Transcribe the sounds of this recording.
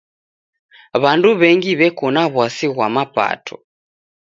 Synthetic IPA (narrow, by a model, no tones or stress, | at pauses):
βanduβɛŋɡiβɛkɔnaβwasiɣwamapa̰tʰɔ